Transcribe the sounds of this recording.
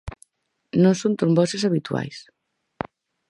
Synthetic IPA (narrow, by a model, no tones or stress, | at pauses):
nõnsont̪uɾmbɔsesaβit̪ua̰js